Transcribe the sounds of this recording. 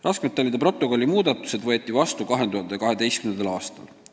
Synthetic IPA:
rʔɑskmet̪ːˑɑlʲːid̪ɑpro̞t̪ːˑo̞ko̞lːimuːd̪ɑt̪ːˑu̥se̞d̪vɤ̞et̪ːˑivɑst̪ukɑɦe̞nd̪uhɑnd̪ekɑɦe̞d̪e̞jstkymnenɑlɑːst̪ɑ̰l

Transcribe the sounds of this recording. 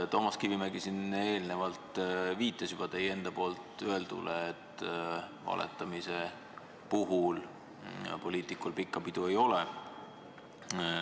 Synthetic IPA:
t̪o̞ːmɑskivimeɡisine̞ːlne̞vɑlt̪viːt̪ːˑesub̥ɑt̪e̞je̞nd̪̥ɑpo̞ːlt̪ˑøe̞ld̪ṵlʔeːt̪ːˑ | vɑ̰lʔḛt̪ːˑɑmise | puɦul̰ | po̞lʲiːt̪ˑikulpikːˑɑpid̪̥uejo̞le

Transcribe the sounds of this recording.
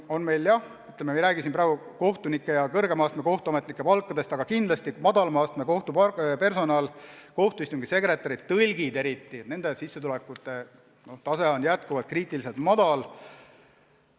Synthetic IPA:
o̞nme̞jljɑh | yt̪lememiɾæːɡ̥isimpɾæːɡuko̞ht̪unikːˑejɑkɤrɡemɑːst̪meko̞ht̪uɑme̞t̪nikːˑe̞pɑlkˑːɑd̪e̞st̪ɑɡ̥ɑkind̪lɑst̪imɑd̪̥ɑlmɑːst̪meko̞ht̪upɑpe̞rso̞nɑːlko̞ht̪uist̪oŋɡ̥ise̞kɾe̞t̪ːˑɑɾid̪̚t̪ːɤlʲɡid̪e̞ɾit̪ˑːine̞nd̪̥e̞sisːet̪ulekːˑut̪ːˑe̞ | no̞ht̪ɑse̞o̞njæt̪̚kuvɑlt̪̚kriːt̪ːˑiliselt̪mɑd̪̥ɑl

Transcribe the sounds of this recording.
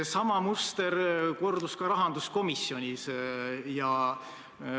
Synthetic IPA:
sɑmɑmust̪e̞ɾko̞rd̪uskɑɾɑɦɑnd̪̥usko̞misjo̞nʲisjɑ

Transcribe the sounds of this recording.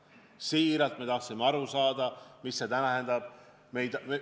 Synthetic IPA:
siːɾɑlt̪me̞t̪ɑht̪simːeɑɾusɑːd̪̥ɑmisːe̞t̪ænæɦend̪ɑb̥ | me̞jd̪me

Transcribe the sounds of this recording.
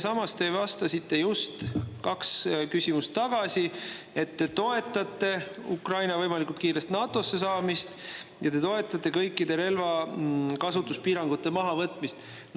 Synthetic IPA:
sɑmɑst̪e̞ivɑst̪ɑsit̪ˑːe̞just̪kɑkskysʲimust̪ːɑɡ̥ɑsʲi | e̞t̪ːe̞t̪o̞e̞t̪ːˑɑt̪ːˑe̞ukrɑjnɑvɤjmɑlikult̪kiːɾe̞st̪nɑːt̪ˑo̞sːe̞sɑːmist̪jɑt̪e̞t̪o̞e̞t̪ːˑɑt̪ːˑe̞kɤjkːˑid̪e̞ɾe̞lvɑkɑsut̪ːˑuspiːɾɑŋɡ̥ut̪ːe̞mɑɦɑvɤt̪ːˑmist̪ | n

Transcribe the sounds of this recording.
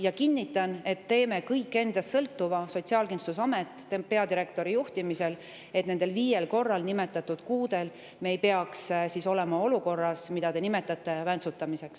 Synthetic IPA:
jɑkinʲːit̪ːˑɑne̞t̪ːe̞ːme̞kɤjkːˑe̞nd̪̥ɑst̪sɤlt̪ːuvɑso̞t̪siɑlkinst̪usɑme̞t̪ˑːpe̞ɑd̪iɾe̞kt̪o̞ɾijuht̪imise̞l | et̪ned̪̥e̞lviːje̞lko̞rːɑlnime̞t̪ːˑɑt̪ːˑud̪̥kuːd̪e̞l | me̞jpe̞ɑkssiso̞le̞mɑo̞luko̞rːɑsmid̪̥ɑd̪e̞nime̞t̪ːˑɑt̪ˑːe̞vænt̪sut̪ːˑɑmise̞ks

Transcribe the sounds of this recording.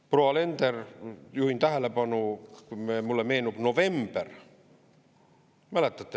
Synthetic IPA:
proɑlent̪erjuhint̪æhælæpɑnukumemulːemeinupnoʋember | mælæt̪ːæt̪ːe

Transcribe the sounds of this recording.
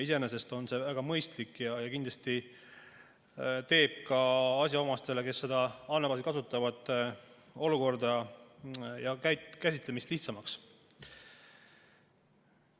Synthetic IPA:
ise̞nese̞st̪o̞nse̞væɡ̥ɑmɤjst̪likːˑjɑjɑkind̪lɑst̪i | t̪e̞ːb̥̚kɑɑs̬ʲjɑo̞mɑst̪e̞le̞ke̞sːe̞d̪̥ɑɑnːebɑsikɑsut̪ːˑɑvɑd̪̥ | o̞luko̞rd̪ɑ | jɑkæjt̪kæsʲit̪ˑle̞mist̪liht̪sɑmɑks

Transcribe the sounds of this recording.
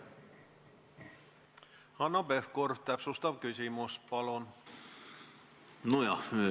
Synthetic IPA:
hɑnɑbefkorft̪æpsust̪ɑʋkysimuspɑlon | nujɑ

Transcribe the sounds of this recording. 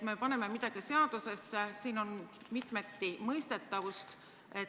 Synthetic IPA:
t̪me̞pɑne̞memid̪̥ɑɡ̥ise̞ɑd̪̥use̞sːesiːno̞n | mit̪me̞t̪ːimɤjst̪e̞t̪ːˑɑvust̪ | e

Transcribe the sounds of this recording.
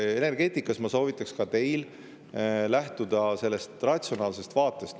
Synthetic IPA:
e̞ne̞rɡ̥e̞ːt̪ʲikːˑɑsmɑso̞ːvit̪ːˑɑkskɑt̪e̞jl | læht̪ud̪̥ɑse̞lːest̪rɑt̪ʲsio̞nɑːlse̞st̪vɑːt̪ːˑe̞st̪

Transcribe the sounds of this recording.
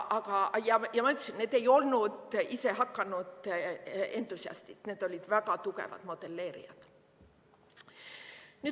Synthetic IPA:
ʔɑkɑjɑjɑmɑyt̪ːˑɑsinne̞ːd̪̥e̞jo̞lnud̪ise̞hɑkːɑnud̪ | e̞nt̪ːˑusiɑ̰st̪it̪neːd̪̥o̞lʲid̪̥vækɑt̪ukḛvɑ̰d̪̥mo̞d̪̥e̞lːe̞ːɾḭɑ̰t̪ | nyː

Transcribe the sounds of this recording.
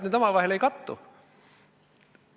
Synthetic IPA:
net̪ɑmɑˑlʋɑiheleikɑt̪ːṵ

